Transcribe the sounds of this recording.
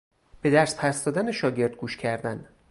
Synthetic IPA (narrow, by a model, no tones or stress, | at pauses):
b̥e̞d̪æɾspʰæsd̪ɒːd̪æneʃɒːɟe̞ɾd̪̚ɡuːʃcʰæɾd̪æn